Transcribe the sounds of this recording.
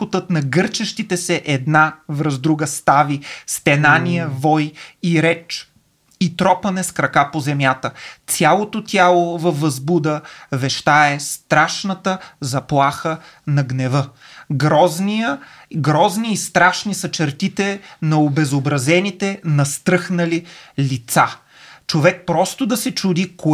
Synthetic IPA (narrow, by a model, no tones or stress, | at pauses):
ot̪ət̪nɐɡɤɾt͡ʃɐʃt̪it̪ɛsɛʔɛd̪navɾəzd̪ɾuɡəst̪avist̪ɛnanijəvɔjiɾɛt͡ʃ | it̪ɾɔpɐnɛskɾɐkapozɛmjat̪ət̪sʲjalˠot̪ot̪ʲjalˠovɐfːɐzbud̪əvɛʃt̪aɛst̪ɾaʃnət̪əzɐplˠaxə | nɐɡnɛvɤ | ɡɾɔzniə | ɡɾɔzniːst̪ɾaʃnisɐt͡ʃɛɾt̪it̪ɛnɐobɛzobɾɐzɛnit̪ɛnɐst̪ɾɤxnɐlilit̪sa | t͡ʃovɛk̚pɾɔst̪od̪ɐsɛt͡ʃud̪iko